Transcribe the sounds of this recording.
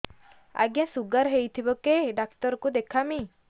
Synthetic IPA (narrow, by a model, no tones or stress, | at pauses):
a̰ɡjãsuɡaɾɦejt̪ʰibɔkeɖakʈɔɾɔkud̪ekʰami